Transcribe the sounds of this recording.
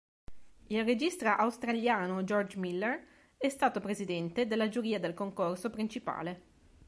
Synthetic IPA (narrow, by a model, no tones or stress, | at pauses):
ilred͡ʒist̪ɾoʔawst̪ɾaljaːnod͡ʒɔrd͡ʒmilːɛr | ɛst̪aːt̪opɾezid̪ɛnt̪ed̪elːad͡ʒuɾiːad̪elkoŋkorsopɾint͡ʃipa̰ːle